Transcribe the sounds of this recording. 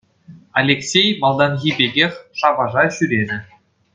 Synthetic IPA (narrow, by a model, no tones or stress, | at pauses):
ɑlʲeksʲejmɑlˠd̪ɑnɣʲibʲeɡʲexʲʂɑbɑʐɑɕyɾʲenʲɘ̆